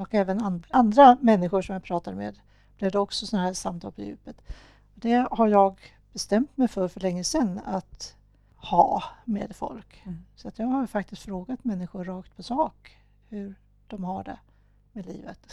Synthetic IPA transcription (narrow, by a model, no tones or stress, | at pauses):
ɔkɛːvənanand̪ɾamɛnːɪɧʊʂɔmjapʰɾɑːt̪ad̪mḛːd̪ | b̥lɪvd̪ɛɔksɔsɔnɦæːɾsamt̪ʰɑːlpʰɔjʉ̟̰ːpət̪ | ɔd̪ɛhaɾjɑːɡ | b̥ɛst̪ɛmt̪mɛjfœɾfœɭɛŋːəsɛnːat̪ | hɑ̰ːmḛːd̪fɔ̰lksɔat̪jɑːɡhaɾfakt̪ɪst̪fɾoːɡat̪mɛnːɪɧʊɾːɑːkt̪̚pʰɔsɑːk | hɵɾ | d̪̥ɔmhaɖɛ̰ | meːlḭːvət̪